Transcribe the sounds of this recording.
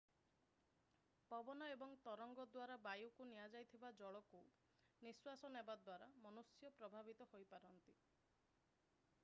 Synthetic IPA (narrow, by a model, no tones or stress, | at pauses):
pɔbɔnɔebɔŋt̪ɔɾɔŋɡɔd̪waɾabajukunijad͡ʒajt̪ʰibad͡ʒɔɭɔku | niswasɔnebad̪waɾamɔnusjɔpɾɔbʱabit̪ɔhojpaɾɔnt̪i